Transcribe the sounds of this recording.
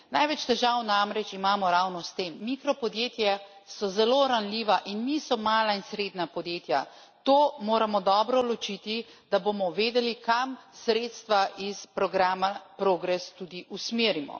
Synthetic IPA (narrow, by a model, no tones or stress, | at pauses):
najʋɛt͡ʃt̪ɛʒawnamɾɛt͡ʃimaːmɔɾawnɔst̪emːikɾɔpɔd̪jeːt̪jasɔzɛloɾanliʋaʔinmisɔmaːlainsɾeːd̪napɔd̪jeːt̪ja | t̪oːmoːɾamɔd̪ɔːbɾɔlɔt͡ʃit̪i | d̪̥abomɔʋeːd̪ɛlikamsɾeːt̪st̪ʋaʔispɾɔɡɾaːmapɾoːɡɾɛst̪ud̪iʔusmeːɾimɔ̰